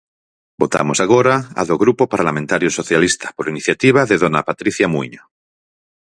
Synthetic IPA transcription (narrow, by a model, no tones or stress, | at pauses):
bot̪a̰mosaɣoɾaa̰ðoɣɾupopaɾlamẽnt̪aɾjosoθjalist̪ḁpoɾiniθjat̪iβ̞aðeðonapat̪ɾiθjamuiɲo